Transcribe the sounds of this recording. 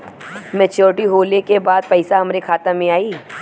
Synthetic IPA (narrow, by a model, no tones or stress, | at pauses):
mɛ̃t͡ʃoːʈiɦoːlekebaːd̪̚pɛɪsaɦɐmɾekʰaːt̪amẽaːiː